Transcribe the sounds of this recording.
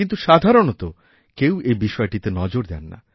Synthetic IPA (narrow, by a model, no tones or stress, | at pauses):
int̪uʃad̪ʱaɾonot̪o | kewebiʃɔeʈit̪enɔd͡ʑoɾd̪ɛnːa̰